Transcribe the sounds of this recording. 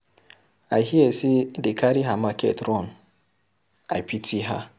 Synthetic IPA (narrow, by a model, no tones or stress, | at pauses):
aɦiesidɪkaɾiɦamakḛtɾɔn | apitʰiɦa̰